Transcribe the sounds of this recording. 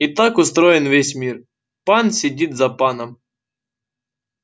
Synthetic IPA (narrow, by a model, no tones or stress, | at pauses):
it̪akʊst̪ɾɔjɪnvʋʲesʲmʲir | pansʲɪdʲit̪zɐpanɐm